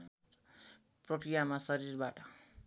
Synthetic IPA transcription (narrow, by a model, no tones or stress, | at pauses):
prʌkɾijamasʌɾirbaʈʌ